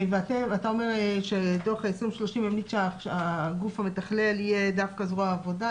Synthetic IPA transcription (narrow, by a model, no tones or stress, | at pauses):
veat̪eat̪ao̞me̞ʁeʃedoχaesʁimeʃlo̞ʃimemlit͡sʃeaaɡufhamet̪aχlelijed̪afkazʁoaːvo̞da